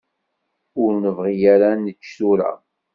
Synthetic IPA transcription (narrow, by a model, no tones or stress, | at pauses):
ʊɾnəvʁijæɾænːət͡ʃːsuɾa̰